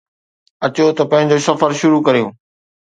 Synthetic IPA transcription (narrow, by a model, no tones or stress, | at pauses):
ɐt͡ɕot̪ɐpɐ̃ɦɪ̃̆d͡ʑoːsɐfəɾʃʊɾukɐɾijõː